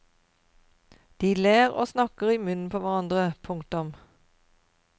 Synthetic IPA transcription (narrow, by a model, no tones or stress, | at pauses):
d̪̥iːleːʁo̰ːsnɑkəʁiːmʉnn̩pʰoːʋæʁɑnd̪ʁəpʰʊŋkt̪ʊm